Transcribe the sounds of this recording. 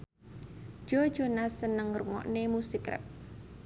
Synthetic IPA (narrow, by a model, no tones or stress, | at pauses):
d̥ʒ̥ɔ̥ʒ̥ɔnasənəŋruŋɔ̰ʔnemusikɾɪ̰p̚